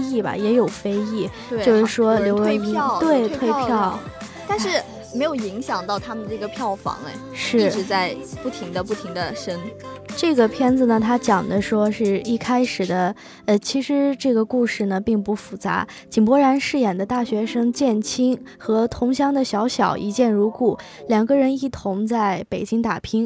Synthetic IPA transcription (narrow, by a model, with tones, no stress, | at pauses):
i˥˩bɐ̰˩jɛ˧˥jo˨˩ʊfe˥ɪi˥˩ | t͡ɕjo˥˧ʊʂɻ̩˥˩ʂwɔ˥ljo˧˥ʊwə˧˥i˧˥t̪we˥˩ɪtt̪ʰwe˥˧ɪpʰjɑ˥˩ʊ | t̪a˥˧nʂɻ̩˥˩ | me˧˥ɪjo˨˩ʊi˧˥ŋɕjɑ˨˩ŋt̪ɑ˥˩ʊt̪ʰa˥mə˨nə˧ʈ͡ʂɤ˥˩ɡə˩pʰjɑ˥˩ʊfɑ̰˧˥ŋḛ˧ | ʂɻ̩˥˩ʈ͡ʂɻ̩˧˥t͡sa˥˧ɪpu˥˩t̪ʰi˧˥ŋd̪ə˧pu˥˩t̪ʰi˧˥ŋd̪ə˧ʂə˥nʈ͡ʂɤ˥˩ɡə˩pʰjɛ˥nd͡z̩˨nə˩t̪ʰa˥t͡ɕjɑ˨˩ŋd̪ə˦ʂwɔ˥ʂɻ̩˥˧i˥˩kʰa˥ɪʂɻ̩˨˩d̪ə˦ | ə˧˩t͡ɕʰi˧˥ʂɻ̩˧˥ʈ͡ʂɤ˥˩ɡə˩ku˥˧ʂɻ̩˥˩nə˩pi˥˩ŋpu˥˩fu˨˩t͡sa̰˧˥ | t͡ɕi˨˩npwɔ˥ɻa˧˥nʂɻ̩˥˩jɛ˨˩nd̪ə˦t̪a˥˩ɕɥɛ˧˥ʂɤ˥ŋt͡ɕjɛ˥˩nt͡ɕʰi˥ŋxɤ˧˥t̪ʰʊ˧˥ŋɕ̬jɑ˥ŋd̪ə˨ɕjɑ˧˥ʊɕjɑ˨˩ʊʔi˧˥t͡ɕjɛ˥˧nɻu˧˥ku˥˩ | ljɑ˨˩ŋɡə˧ɻə˧˥ni˥˩t̪ʰʊ˧˥ŋt͡sa˥˩ɪpe˨˩ɪt͡ɕi˥ŋt̪a˨˩pʰi˥ŋ